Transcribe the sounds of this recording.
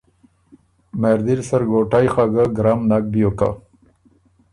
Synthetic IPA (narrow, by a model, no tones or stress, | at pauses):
meɾd̪iɾsɐɾɡoːʈajxaɡaɡɾamnak̚bijoka̰